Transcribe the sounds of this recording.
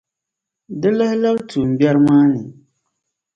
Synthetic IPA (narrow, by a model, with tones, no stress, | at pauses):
dɨ˦la˦hla˦btu˨m̩˨bɛ˦ɾmaː˦nɨ˨